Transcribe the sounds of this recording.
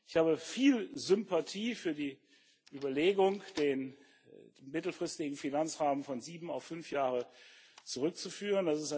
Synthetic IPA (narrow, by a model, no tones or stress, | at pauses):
ʔɪçhaːbəfiːlzʏmpatʰiːfyːɐdiː | ʔyːbɐleːɡʊŋd̥eːn | mɪtl̩fʁ̥ɪstɪɡŋ̩finant͡sʁaːmənfɔnziːbm̩a̰ʊfʏnfjaːʁət͡suʁʏk̚t͡sufyːʁəndasɪsta